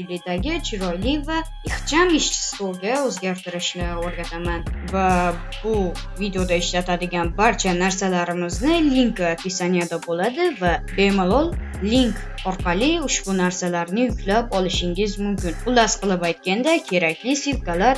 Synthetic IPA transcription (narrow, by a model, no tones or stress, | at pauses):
ɪlɪd̪aɡʲɪt͡ʃʰɪɾɒjlɪva | ɪχt͡ʃʰamɪʃt͡ʃʰɪ̥svoɡʲaɵzɡʲaɾt̪ɪɾɪʃnɪoɾɡʲat̪ʰamanva | b̥ʊ | vid̪eo̞d̪aɪʃlat̪ʰad̪ɪɡʲanbaɾt͡ʃʰanaɾsalaɾɪmɪznɪliŋkap̪ʲʰisanijad̪abolad̪ɪvabe̞molˠɒlˠ | liŋk | ɒɾqʰɑlˠɪʊʃbʊnaɾsalaɾnɪjʊkʲʰlapɒlɪʃɪŋɪzmʊmkʲɪnʊlasqɨlˠɪpajt̪̚kʲand̪akʲʰe̞ɾakʲlɪsilkalaɾ